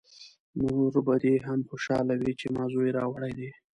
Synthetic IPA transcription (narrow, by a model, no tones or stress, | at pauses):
noɾbad̪eɦamxoʃɑ̰lawit͡ʃemɑzojeɾɑwaɽajd̪e